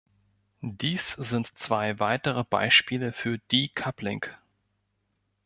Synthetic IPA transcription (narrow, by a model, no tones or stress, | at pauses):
d̥iːsz̥ɪntt͡sv̥aɪvaɪtəʁəba̰ɪʃpiːləfyːɐd̥iːkʰaplɪŋk